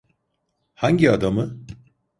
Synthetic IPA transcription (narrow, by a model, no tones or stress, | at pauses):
haɲɟiad̪amɯ